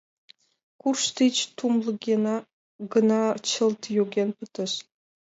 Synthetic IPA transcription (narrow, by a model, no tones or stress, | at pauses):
kurʃt̪it͡ɕt̪umlˠɤ̆ɡʲenɑ | ɡə̆nɑt͡ɕə̆lˠt̪joɡʲenpət̪ə̆ʃ